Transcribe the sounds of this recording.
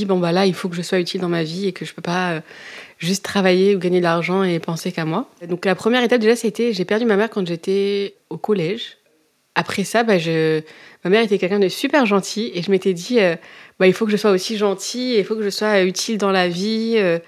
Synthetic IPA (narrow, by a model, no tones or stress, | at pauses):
ibɔ̃balailfokəʒəswayt̪ild̪ɑ̃maviekəʒəpøpaøʒyst̪ːχavajeuɡaɲed̪əlaʁʒɑ̃epɑ̃sekamwad̪ɔ̃klapχəmjɛʁet̪ap̚d̪eʒast̪ɛʒepɛʁd̪ymamɛʁkɑ̃ʒet̪ɛ | okɔlɛʒ | apχɛsabaʒəmamɛʁet̪ɛkʲɛlkʲɛ̃d̪əsypɛʁʒɑ̃t̪ʰieʒəmet̪ɛd̪iøbailfokəʒəswaosiʒɑ̃t̪ʰieilfokəʒəswayt̪ʰild̪ɑ̃laviø